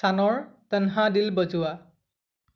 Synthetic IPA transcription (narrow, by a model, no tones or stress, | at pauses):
anɔɹt̪ənɦadilbɔzuwa